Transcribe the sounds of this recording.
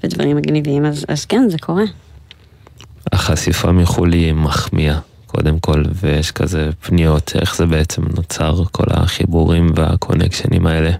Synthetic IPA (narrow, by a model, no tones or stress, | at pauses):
v̥edvaʁimːaɡniviimazazkenzekʰo̞ʁe | aχasifamiχulimaχmia | kʰo̞d̪e̞mko̞lvejeʃka̰ze̞pnijo̞tʰe̞̰χzebeet͡semnot͡saʁkʰo̞̰la̰χibuʁimvea̰kʰo̞̰nekʃenḭmae̞le̞